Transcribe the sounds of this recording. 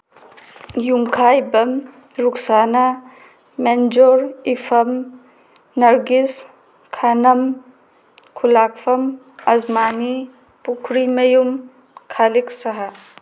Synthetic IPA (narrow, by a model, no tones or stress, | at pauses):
jumkʰajbɐm | ɾuksanɐ | mend͡ʒoɾipʰɐm | nɐɾɡis | kʰanɐm | kʰulak̚pʰɐm | ɐzmani | pukʰɾimɐjum | kʰaliksɐɦa